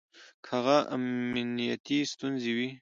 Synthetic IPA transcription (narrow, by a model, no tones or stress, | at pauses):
kʰhaɣaʔa̰mnijat̪ist̪unzewi